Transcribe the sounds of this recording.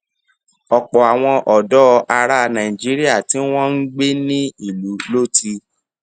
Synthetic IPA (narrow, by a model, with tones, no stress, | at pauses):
ɔ˨k͡pɔ˨a˨w̃ɔ̃˧ʔɔ˨dɔ˦˧a˧ɾa˧nã˨ĩ˨d͡ʒi˨˦ɾi˦a˦˨tĩ˨˦w̃ɔ̃˦n̩˦ɡ͡be˦nĩ˦i˦˨lu˨˦lo˦ti˧